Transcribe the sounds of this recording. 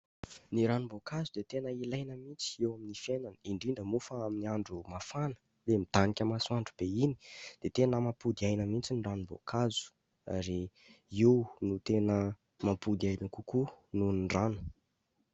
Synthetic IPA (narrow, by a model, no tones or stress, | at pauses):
niɾanumbokazud̪et̪enəilajnəmint͡si̥ewaminifjenanəiɳɖ͡ʐiɳɖ͡ʐəmufəaminiaɳɖ͡ʐumafanə̥ | lemid̪̥anikʲəmasuaɳɖ͡ʐub̥eini̥d̪̥et̪enəmapud̪iajnəmint͡siniranumbo̰kʰazu̥ | a̰ɾe | iwnut̪enə | mapud̪iajnəkukununɖ͡ʐanu̥